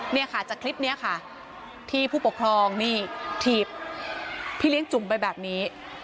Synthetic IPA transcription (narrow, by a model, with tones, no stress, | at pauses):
ni˥˩ɐkʰa˥˩t͡ɕaː˨˩kʰli˦˥p̚ni˦˥ɐkʰa˥˩ | t̪ʰiː˥˩pʰuː˥˩po˨˩kʰɾɔː˧ŋniː˥˩t̪ʰiː˨˩p̚ | pʰiː˥˩li˦˥əŋt͡ɕu˨˩˦mpa˧jbɛː˨˩p̚niː˦˥